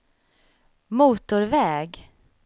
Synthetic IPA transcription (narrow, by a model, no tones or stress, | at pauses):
muːt̪ʊɾvɛːɡ